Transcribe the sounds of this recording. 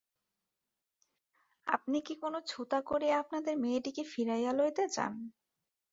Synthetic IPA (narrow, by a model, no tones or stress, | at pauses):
a̰pnikikonot͡ɕʰut̪akoɾiap̚nad̪eɾmeʈikefiɾajalojt̪et͡ɕa̰n